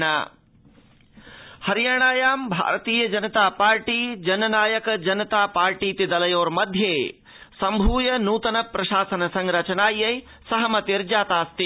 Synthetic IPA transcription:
ɳa̰ː | hɐɾjaːɽ̃aːjaːmbʱa̰ːɾt̪iːjɐd͡ʒɐnɐt̪aːpaːɾʈiːd͡ʒɐnɐnaːjɐkd͡ʒɐnɐt̪aːpaːɾʈiːt̪id̪ɐlɐjoːɾmɐd̪ʱjeː | sɐmbʱuːjɐnuːt̪ɐnɐpɾɐʃaːsɐnɐsɐ̃ŋɾɐt͡ʃɐnaːjːɐj | sɐɦɐmɐt̪iɾd͡ʒaːt̪aːst̪i

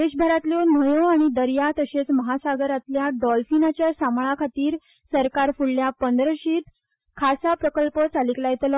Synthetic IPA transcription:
d̪eɕbʱaɾat̪ljonəjoaɽ̃id̪əɾjat̪əɕet͡sməɦasaɡəɾat̪ljaɖɔlfinat͡ɕjasamɭakʰat̪iːɾ | səɾkaɾfuɽljapənd̪ɾəɕiːt̪ | kʰasapɾəkəlpət͡saliklajet̪lɔ

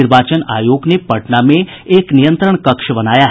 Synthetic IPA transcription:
iɾbat͡ʃənajoɡnepəʈnamẽ | eknijənt̪ɾəɳkəkʂəbənaja

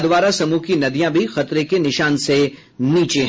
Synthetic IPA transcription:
d̪ʋaːɾasɐmukinɐd̪ijãbʱixɐt̪ɾekenɪʃaːnse | niːt͡ʃeɦ

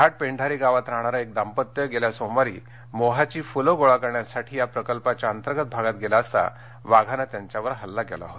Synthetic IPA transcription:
kaʈ̚peɳɖʱaɾiːɡaʋat̪ɾaɳ̃aɾaek̚d̪ampət̪jəɡeljasomaɾḭː | moɦat͡ɕiːfuloɡoɭakəɾɳjasaʈʰiːjapɾəkəlpat͡ɕaənt̪əɾɡət̪̚bʱaɡat̪̚ɡelaəst̪a̰ | ʋaɡʱanat̪jaɲt͡ɕjaʋəɾɦəlːaɡḛla̰ɦot̪

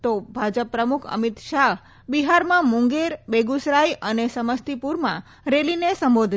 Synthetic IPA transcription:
t̪obʱad͡ʒəpːɾəmukʰə̰mit̪ʃaɦ | biɦaɾmãmʊ̃ŋɡeɾbeɡusɾajənesəməst̪ipuɾmã | ɾelinesəmbod̪ʱ

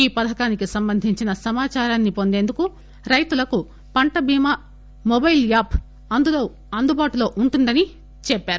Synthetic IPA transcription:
iːpɐd̪ʱɐkaːnikisɐmbɐnd̪ʱiɲt͡ʃinɐsɐmaːt͡ʃaːɾaːnːipo̞nd̪e̞ːnd̪uku | ɾɐjt̪ulɐku | pɐɳʈɐbʱiːma | mobɐjljaːp | ɐnd̪uloː | ɐnd̪ubaːʈulo̞ːʔuɳʈund̪ɐni | t͡ʃɛpːaːɾu

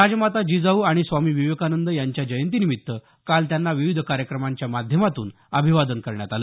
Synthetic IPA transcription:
ad͡ʑmat̪ad͡ʑid͡zauaɽ̃isʋamiːʋiʋəkanənd̪əjaɲt͡ɕjad͡ʑəjənt̪̬inimit̪ːə | kalt̪janːaʋiʋid̪ʱəkaɾjəkɾəmaɲt͡ɕjamad̪ʱjəmat̪ṵːn | əbʱiʋad̪ənkəɾɳja̰t̪alə

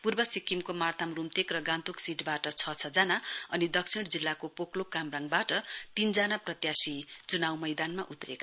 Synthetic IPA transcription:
purbʌsikːimkomart̪ʰamrumt̪ekrʌɡãnt̪uksiʈbaʈʌt͡sʰʌt͡sʰʌd͡zanaʌnid̪ʌk̚sʰiɽd͡zilːakopoklokamraŋɡbaʈʌt̪ind͡zanaprʌt̪jasit͡sunawmʌjd̪anmaʔut̪reka

